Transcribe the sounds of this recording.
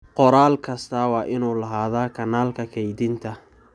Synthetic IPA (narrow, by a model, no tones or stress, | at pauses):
qɔɾaːlkʰɐst̪ʰɐwɑːʔɪnuːlɐɦaːðaːkʰɐnaːlkʰɐkʰɛjd̪ɪnt̪ʰɐ